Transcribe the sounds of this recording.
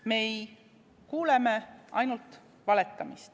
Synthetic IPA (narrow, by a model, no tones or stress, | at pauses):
me̞j | kuːle̞meʔɑ̰jnult̪ | vɑle̞t̪ːˑɑmist̪